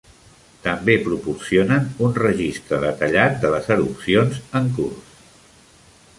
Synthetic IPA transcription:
t̪əmbepɾupursionənunrəʒist̪ɾəðət̪əʎat̪̚d̪ələzəɾṵpsionzəŋkurs

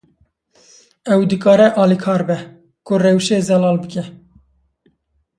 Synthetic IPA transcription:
ɛwd̪ɨkɑːɾɛʔɑːlikʰɑːɾbɛ | kʊrɛwʃeːzɛlɑːlbɨkɛ

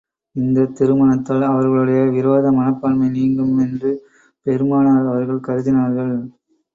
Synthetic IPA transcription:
ɪnd̪ɐt̪ɪɾɯmɐnɐt̪ːɐlɐʋɐɾɣɐɭɯɽɐjɐʋɪɾoːðɐmɐnɐpːɐɳmɐɪniːŋɡɯmɛndrɯ | pɛɾɯmaːnaːɾɐʋɐɾɣɐɭkɐɾɯðɪnaːɾɣɐɭ

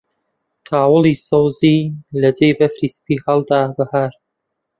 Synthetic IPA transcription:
t̪ʰaːwɨlˠiːsɐwziːlɐd͡zejbɐfɾiːspiːhɐlˠd̪aːbɐhaːɾ

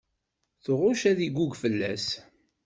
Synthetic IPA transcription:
θoʁʊʃæðiɡʷuɡfəlːæs

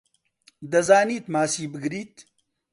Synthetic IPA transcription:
d̪ɐzaːniːt̪maːsiːbɨɡɾiːt̪

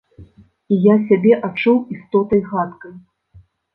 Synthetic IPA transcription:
ijas̬ʲabʲɛʔat͡ʂuwist̪ɔt̪ɐjɣat̪kɐj

